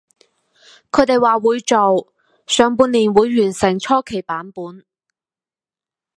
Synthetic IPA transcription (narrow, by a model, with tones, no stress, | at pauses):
kʰɵ˨˧˥t̪e˨jwaː˨wuː˨˧jt͡so˨w | sœː˨˧ŋpuː˧nliː˨˩nwuː˨˧jːyː˨˩nsɪ˨˩ŋt͡ʃʰɔː˥kʰe˨˩jpaː˨˥npuː˨˥n